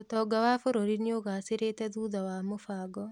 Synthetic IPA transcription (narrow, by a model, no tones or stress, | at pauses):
otɔːɡawafoɾoɾineoɣaːseɾeːtɛðuːðawamofaːɡɔ